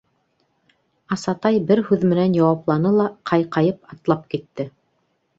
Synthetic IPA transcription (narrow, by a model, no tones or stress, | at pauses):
ɑsɑt̪ɑjbɘɾhʉðmɘ̆nænjɑwɑplˠɑnɤlˠɑqʰɑjqɑjɤpɑt̪lˠɑp̚kit̪ːɘ